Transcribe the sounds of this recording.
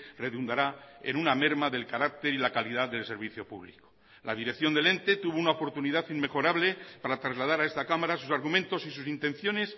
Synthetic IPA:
re̞ðund̪aɾaḛnuname̞ɾmaðe̞lkaɾak̚t̪e̞ɾilakaliðaðe̞lse̞ɾβiθjo̞pṵβliko̥ | lað̞iɾekθjo̞nd̪e̞le̞nt̪e̞t̪uβounaopo̞ɾt̪uniðaθimme̞xo̞ɾaβle̞paɾat̪ɾazlað̞aɾaest̪akamaɾasusaɾɣumẽnt̪o̞sisusint̪ẽ̞nθjo̞ne̞s

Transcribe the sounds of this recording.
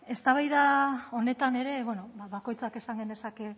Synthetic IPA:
e̞st̪aβajðao̞ne̞t̪ane̞ɾe̞βeno̞βaβako̞jt͡sake̞saŋɡend̪e̞sake̞

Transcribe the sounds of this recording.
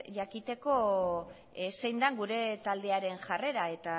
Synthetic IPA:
ʝakit̪e̞ko̞ | se̞jnd̪aŋɡuɾe̞t̪ald̪e̞aɾe̞nʝare̞ɾae̞t̪a

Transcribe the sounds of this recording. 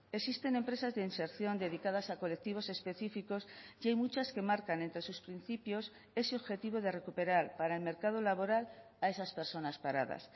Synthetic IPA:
eksist̪e̞ne̞mpɾe̞sazðeinse̞ɾθjo̞nd̪e̞ð̞ikað̞asako̞lek̚t̪iβ̞o̞se̞spe̞θifiko̞sjajmut͡ʃaske̞maɾkane̞nt̪ɾe̞suspɾin̟θipjo̞s | e̞seoβxe̞t̪iβ̞o̞ðe̞re̞kupe̞ɾaɾpaɾaelme̞ɾkað̞olaβo̞ɾal | ae̞saspeɾso̞naspaɾa̰ð̞a̰s

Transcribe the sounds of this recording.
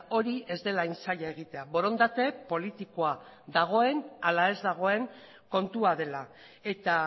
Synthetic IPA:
o̞ɾie̞zd̪e̞lajnsaʎaeɣ̞it̪e̞aβo̞ɾo̞nd̪at̪e̞po̞lit̪iko̞a | ðaɣ̞o̞e̞nalae̞zd̪aɣ̞o̞e̞ŋ | ko̞nt̪uaðe̞la | e̞t̪a

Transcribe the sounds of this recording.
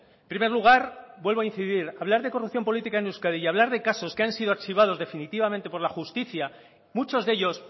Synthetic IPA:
empɾime̞ɾluɣ̞aɾbwe̞lβo̞ainθiðiɾaβlaɾðe̞ko̞rup̚θjo̞mpo̞lit̪ikaenuskaðiʝaβ̞laɾðe̞kaso̞skeansiðoaɾt͡ʃiβ̞að̞o̞zðe̞finit̪iβamẽnt̪epo̞ɾlaxust̪iθja | mut͡ʃo̞zðe̞ʎo̞s

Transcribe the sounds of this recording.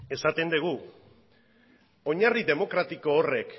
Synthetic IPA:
e̞sat̪e̞nd̪eɣ̞u | o̞ɲariðe̞mo̞kɾat̪iko̞ːre̞k

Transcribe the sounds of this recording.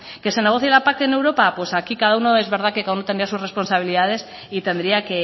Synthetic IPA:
ke̞se̞ne̞ɣoθjelapak̚t̪ene̞wɾo̞papwe̞sakikaðauno̞e̞zβeɾðakekaðaunot̪enɾiasusrespo̞nsaβ̞iliðað̞e̞s | it̪e̞nd̪ɾiake̞

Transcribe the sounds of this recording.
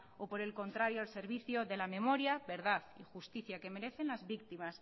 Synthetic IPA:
opo̞ɾe̞lko̞nt̪ɾaɾjoalse̞ɾβiθjoðe̞lamẽ̞mo̞ɾjabe̞ɾðaðixust̪iθjake̞me̞ɾe̞θe̞nlazβik̚t̪imas

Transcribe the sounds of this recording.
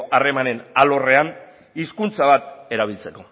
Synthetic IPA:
ʔare̞mane̞nalo̞re̞an | iskunt͡saβat̪e̞ɾaβ̞ilt͡se̞ko̞

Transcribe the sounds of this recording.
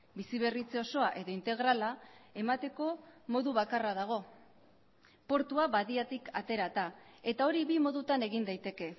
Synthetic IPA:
bisiβe̞rit͡seo̞so̞aʔe̞ðo̞int̪e̞ɣ̞ɾalae̞mat̪e̞ko̞mo̞ðuβakaraðaɣ̞o̞ | po̞ɾt̪uaβaðiat̪ikʰa̰t̪e̞ɾat̪ae̞t̪ao̞ɾiβimo̞ðut̪ane̞ɣind̪ajt̪e̞ke̞

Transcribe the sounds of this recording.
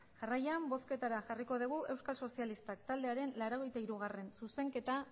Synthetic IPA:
ʝarajambo̞ske̞t̪aɾaʝariko̞ð̞iɣ̞uʔe̞wskalso̞sialist̪ak̚t̪ald̪e̞aɾe̞nlaɾo̞ɣ̞e̞jt̪aiɾuɣ̞are̞nsuse̞ŋke̞t̪a

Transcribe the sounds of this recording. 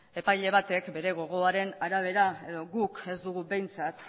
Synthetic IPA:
e̞pajʎe̞β̞at̪e̞kbe̞ɾe̞ɣ̞o̞ɣ̞o̞aɾe̞naɾaβ̞e̞ɾae̞ðo̞ɣuke̞zd̪uɣube̞jnt͡sat̪

